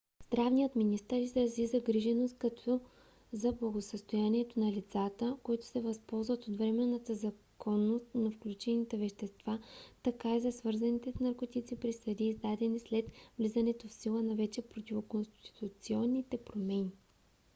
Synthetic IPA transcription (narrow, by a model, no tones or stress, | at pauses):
z̥d̪ɾavnijət̪minist̪əɾizɾɐzizɐɡɾiʒɛnost̪̚kɐt̪ʰɔ | zɐblˠɐɡosəst̪ojaniɛt̪onɐlʲit̪sat̪əkoit̪ʊ̥sɛvɐspɔlˠzvɐt̪ot̪vɾɛmɛnːət̪əzɐkʰɔnːost̪nɐfklʲut͡ʃɛnit̪ɛvɛʃt̪ɛst̪vat̪ɐkaizɐsvɤɾzɐnit̪ɛsnɐɾkot̪it̪sipɾisɐd̪iːzd̪ad̪ɛnislɛt̪vlizɐnɛt̪ofsilˠənɐvɛt͡ʃɛpɾot̪ʲivokonst̪i̥t̪ut̪siɔnːit̪ɛpɾomɛni